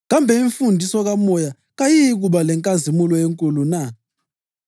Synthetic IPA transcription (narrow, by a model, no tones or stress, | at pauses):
ɣambʱɛiɱfundʱisɔɣamɔja | ɣajijɣuɓalɛŋkʼazimulɔjeŋkʼuluna